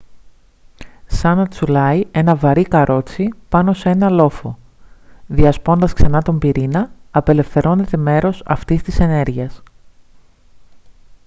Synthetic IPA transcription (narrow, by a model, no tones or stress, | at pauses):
sɐnɐt͡sulɐie̞nɐvɐɾikɐɾʔo̞t͡sipɐno̞se̞nɐlo̞fo̞ | ðiɐspo̞nd̪ɐsksɐnɐt̪o̞mbiɾinɐːpe̞le̞fθe̞ɾo̞ne̞t̪e̞me̞ɾo̞sɐ̰ft̪ist̪ise̞ne̞ɾʝiɐs